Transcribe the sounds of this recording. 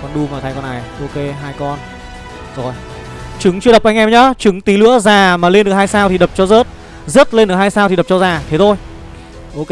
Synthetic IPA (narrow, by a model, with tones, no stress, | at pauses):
kɔ˧nɗu˧maː˨˩t̪ʰaː˧jkɔ˧nʔa˨˩jʔo˧ke˧ɦaː˧jkɔ˧n | zo˨˩j | t͡ɕɨ˨˦ŋt͡ɕɨ˧ɗə˨˩pʔa˧ŋʔɛ˧mɲɔ˨˦t͡ɕɨ˨˦ŋt̪i˨˦lɨ̰˧˥əzaː˨˩maː˨˩le˧nɨ˨˩əkhaː˧jsaː˧wt̪i˨˩ɗə˨˩p̚t͡ɕɔ˧zəː˦˥t̚ | zə˦˥t̚le˧nɗɨ˨˩ək̚ɦaː˧jsaː˧t̪i˨˩ə˨˩p̚t͡ɕɔ˧zaː˨˩t̪ʰe˨˦t̪ʰo˧j | ʔo˧ke˧